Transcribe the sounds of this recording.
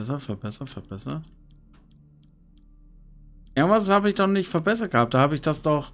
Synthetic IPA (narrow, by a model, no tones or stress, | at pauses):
sɐtfɛɐbɛsɐtfɛɐb̥ɛsɐt | ʔemvashaːbəɪçd̥ɔχnɪçtfɛɐbɛsɐt̚ɡ̥əhaːp̚d̥aːhaːbəɪçd̥asd̥ɔχ